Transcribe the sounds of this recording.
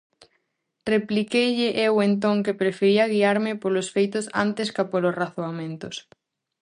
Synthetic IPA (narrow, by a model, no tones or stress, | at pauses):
replikejʎɪʔewent̪̬õŋkepɾefeɾiɐɣ̞iaɾmɪpolʊsfejt̪ʊsa̰nt̪ɪskapolʊsraθoamẽnt̪ʊs